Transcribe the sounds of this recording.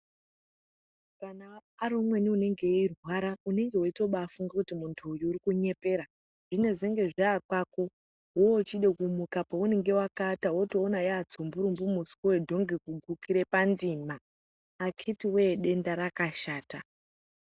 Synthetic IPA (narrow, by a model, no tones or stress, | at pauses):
kanaːɾomwe̞niune̞ŋɡe̞irwaɾaune̞ŋɡe̞woito̞ɓaːfuŋɡakutimuntʰuːjuːɾikuɲe̞pe̞ɾa | ʐine̞zeŋɡe̞ʐaːkwako̞ | ɦoot͡ʃiɗe̞kumukapoune̞ŋɡe̞wakatawo̞toːnajeat͡sombuɾumbumusi̥kowedʱo̞ŋɡekuɡʱukiɾe̞pandimaː | kʰitiwe̞ɗe̞ndaɾakaʃaːta